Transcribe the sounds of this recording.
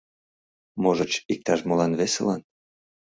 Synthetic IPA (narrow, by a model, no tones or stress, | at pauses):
moʒət͡ɕik̚t̪ɑʃmolɑnβesḛlɑ̰n